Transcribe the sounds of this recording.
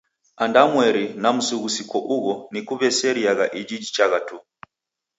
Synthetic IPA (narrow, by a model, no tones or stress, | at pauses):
andamwɛɾinam̩suɣusikɔʔuɣɔnikuβɛsɛɾiaɣaʔid͡ʒid͡ʒit͡ʃaɣatu